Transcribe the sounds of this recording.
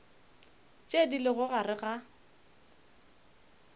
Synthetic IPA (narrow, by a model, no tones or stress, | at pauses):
t͡ʃʼedilɪɣʊɣarɪɣa